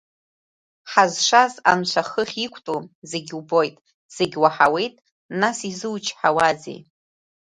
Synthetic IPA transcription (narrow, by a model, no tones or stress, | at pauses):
ħazʂaza̰nt͡ʃʷʰaχəχʲikʷʰʼtʼuzeɡʲubo̞jtʼ | z̥eɡʲwaħawe̞jtʼ | nasizɨwt͡ʃʰħawazḛj